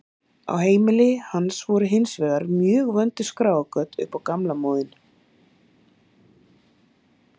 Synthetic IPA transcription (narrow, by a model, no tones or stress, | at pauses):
a̰wheːjmɪlɪhanːsvɔɾʏɦɪnsvɛːɣaɾmjœːɣvœnt̪ʏ̥skɾaːwakœt̪ʏ̰hpawkamlamɔːðʏn